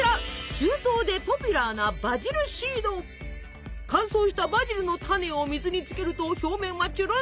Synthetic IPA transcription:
at͡ɕɨːt̪o̞ːd̪e̞po̞pʲɯɾanabad͡ʑiɾɯ̟ɕiːd̪o̞ː | kãɰ̃so̞ːɕi̥t̪abaʑiɾɯ̟no̞t̪ʰane̞omʲizɨɲ̟it͡sɨ̥ke̞ɾɯ̟t̪o̞ço̞ːmẽ̞ɰ̃ːat͡ɕiɾo

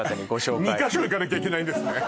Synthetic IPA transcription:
ɕoːmʲikaɕoːikanakʲaik̬ʲe̞naĩnd̪esɨne

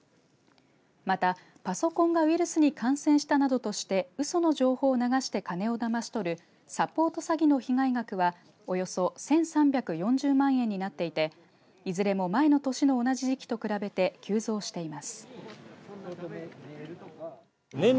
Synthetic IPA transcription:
mat̪a | paso̞kõ̞ŋɡaβiɾɯ̟sɨɲ̟ikãɰ̃sẽ̞ɰ̃ɕi̥t̪anad̪o̞t̪o̞ɕi̥t̪e̞ɯ̟so̞no̞ʑo̞ːho̞ːnaɡaɕi̥t̪e̞kane̞o̞d̪amaɕi̥t̪o̞ɾɯ̟ | sapo̞ːt̪o̞saɡʲino̞çiŋaiɡakɯ̟βa | o̞jo̞so̞sẽ̞ɰ̃sãmbʲjakɯ̟jõ̞ɲ̟d͡ʑɨːmãɰ̃ẽ̞ɲ̟ːinat̪ːe̞it̪e̞ | izɨɾe̞mo̞mae̞no̞t̪o̞ɕino̞ːnaʑiʑikʲi̥t̪o̞kɯ̟ɾabe̞t̪e̞kʲɨːzo̞ːɕi̥t̪e̞imasɨ̥

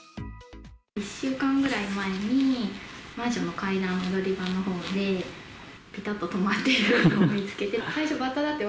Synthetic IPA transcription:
iɕːɨːkãŋɡɯ̟ɾaimae̞ɲ̟i | maʑo̞nːo̞kaid̪ãnːod̪o̞ɾʲibanːo̞ɦo̞ːnd̪e̞ | pʲit̪at̪ːo̞t̪o̞mat̪ːe̞iɾɯnomʲit͡sɨ̥ke̞t̪e̞saiɕo̞bat̪ːad̪at̪ːe

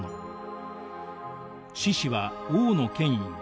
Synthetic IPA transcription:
no | ɕiɕiβaoːno̞kẽ̞ɲ̟iɲ̟i

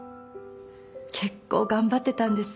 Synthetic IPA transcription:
kʰe̞kːo̞̰ːɡãmbat̪ːe̞t̪ãnd̪e̞sɨ̥

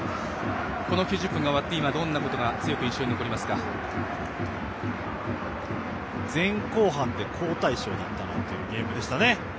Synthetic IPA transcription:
ko̞no̞kʲoːʑɨpːɯ̟ŋɡaoat̪ːeimad̪õ̞nːako̞t̪o̞ɡat͡sɨjo̞kɯ̟ĩɕːo̞ɲinoko̞ɾʲimasɨ̥ka | d͡zẽ̞ŋko̞ːɦãnt̪e̞kʰo̞ːt̪aiɕo̞̰ːd̪at̪ːana̰t̪ːe̞jɯ̟ːɡʲe̞ːmɯ̟d̪e̞ɕi̥t̪ane̞

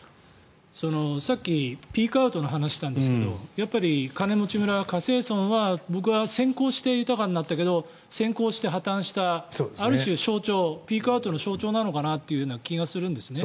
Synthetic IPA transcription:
so̞no̞sakʲːipʲiːkɯ̟aɯ̟t̪o̞noɦanaɕi̥t̪ãnd̪esɨked̪o̞japːaɾʲikane̞mo̞t͡ɕimɯ̟ɾakase̞ːsõ̞ɰ̃βabo̞k̬ɯ̟βasẽ̞ŋko̞ːɕi̥t̪e̞jɯ̟t̪akaɲ̟inat̪ːake̞d̪o̞ | sẽ̞ŋko̞ːɕi̥t̪e̞ɦat̪ãɰ̃ɕi̥t̪asoaɾɯ̟ɕɨːɕo̞ːt͡ɕo̞ːpʲiːkɯ̟aɯ̟t̪o̞noɕo̞ːt͡ɕo̞ːnano̞kanat̪ːe̞jɯ̟joːnakʲiɡasɨɾɯ̟̃nd̪e̞sɨne̞

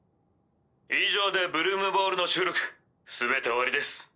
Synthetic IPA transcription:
iʑo̞ːd̪e̞bɯ̟ɾɯ̟ːmɯ̟bo̞ːɾɯ̟no̞t͡ɕɨːɾokɯ̟̥ | sɨbe̞t̪e̞oβaɾid̪e̞sɨ̥

